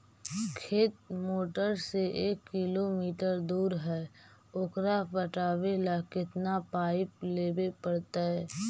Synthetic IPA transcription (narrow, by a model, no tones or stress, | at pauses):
kʰeːt̪̚moːʈəɾseʔeːkːɪlomiːʈəɾd̪uːɾɦɛː | ʊkɾapəʈaːwelakɪt̪napaːɪpleːbepəɽt̪aɦɛː